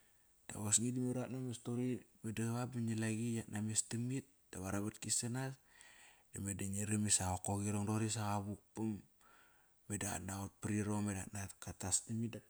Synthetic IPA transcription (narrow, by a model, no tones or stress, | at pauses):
d̥a̰βosŋidimeɾatnamestoɾibedaβabiɲilaɡijatnamestimit̚d̥aβaɾaβatkisanas | d̥amedaɲiɾimisaokoɣiɾoŋdoɾis̬aɣaβuk̚pam | beda̰naot̚pɾiɾomeda̰tnatkatastamida